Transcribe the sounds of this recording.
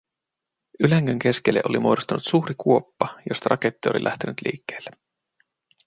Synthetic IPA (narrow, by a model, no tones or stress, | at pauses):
ylæŋːøŋk̟e̞skelːeʔolimuodost̪ɑnut̪suːɾikuo̞pːɑjo̞st̪ɑɾʔɑ̰ket̪ːiolḭlʔæ̰ht̪e̞nyt̪lḭːkːe̥ːlːe